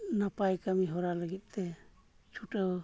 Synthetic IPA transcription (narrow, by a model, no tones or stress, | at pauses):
napajkamiɦɔɾaləɡit̪̚ˀt̪ɛ | t͡ʃʰuʈəw